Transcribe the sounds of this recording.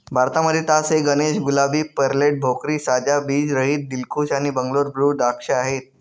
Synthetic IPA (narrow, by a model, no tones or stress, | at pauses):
bʱaɾt̪aməd̪ʱːjet̪asɦeɡəneɕɡulabiːpəɾleʈ̚bʱokɾiːsad͡ʑabiːd͡ʑɾəɦiːt̪̚d̪ilkʰuːɕaɽ̃ibəŋɡloɾbʱɾuːd̪akʂeaɦet̪̚